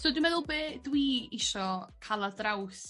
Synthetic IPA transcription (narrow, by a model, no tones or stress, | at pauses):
soːdwimɛðʊlˠbeːdwiːɪʃɔkʰalˠadraws